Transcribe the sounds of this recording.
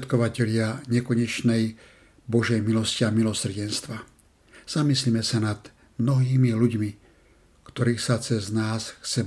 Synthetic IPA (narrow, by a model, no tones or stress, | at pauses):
t̪kɔʋacɛʎɪaɲɛkɔɲɛt͡ʃnɛj | bɔʒɛjmilɔsciamilɔsr̩ɟɛnst̪ʋa | z̥amislimɛsanad̪̥ | mnɔɦiːmiluɟmi | kt̪ɔɾiːxsat͡sɛznaːsxt͡sɛ